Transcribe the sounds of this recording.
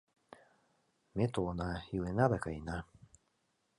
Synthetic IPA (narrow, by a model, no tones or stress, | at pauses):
met̪onajɯenad̪akaina